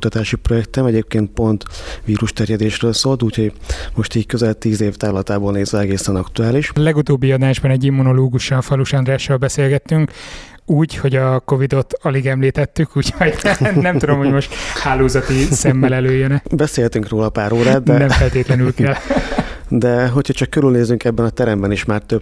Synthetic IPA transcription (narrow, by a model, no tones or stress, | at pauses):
ut̪ɒt̪aːʃiprojɛk̚t̪ɛmɛɟeːp̚keːnt̪̚po̞nt̪ʋiːɾuʃt̪ɛrjɛd̪eːʃrøːlsoːlt̪uːcho̞ɟmo̞ʃt̪iːɟkøzɛlt̪iːzeːft̪aːlɒt̪aːboːlneːzʋɛɛɡeːsɛnɒkt̪uaːliʃlɛɡut̪oːbːiɒd̪aːʒbɒnɛɟimːuno̞loːɡuʃɒnfɒluʃɒnd̪raːʃoːlbɛseːlɡɛt̪ːyŋk | uːɟho̞ɟɒko̞vid̪o̞t̪ɒliɡɛmliːt̪ɛt̪ːykuːchoɟnɛmt̪ud̪omhoɟmo̞ʃt̪haːloːzɒt̪isɛmːɛlɛløːjːønɛbɛseːhɛt̪yŋkroːlɒpaːɾoːɾaːd̪ɛnɛɱfɛlt̪eːt̪lɛnylkɛl | d̪ɛɦo̞cʰhɒt͡ʃɒkːøɾylneːzyŋkɛbːɛnɒt̪ɛɾɛmbɛniʃmaːrt̪øb